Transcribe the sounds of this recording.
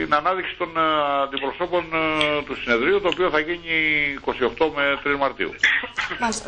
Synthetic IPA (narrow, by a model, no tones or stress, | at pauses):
inɐnɐðiksi̥t̪o̞nɐnd̪ipɾo̞so̞po̞nt̪usine̞ðɾiut̪oːpio̞θɐʝiɲiːko̞sio̞xt̪o̞me̞t̪ɾizmɐɾt̪ḭṵ